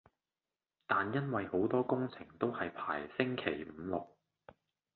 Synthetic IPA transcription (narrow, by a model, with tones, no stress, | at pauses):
t̪aː˨njɐ˥nwɐ˨jho˨˥wt̪ɔː˥kʊ˥ŋt͡sʰɪ˨˩ŋt̪o˥whɐ˨jpʰaː˨˩jsɪ˥ŋkʰe˨˩jm̩˨˧lʊ˨k̚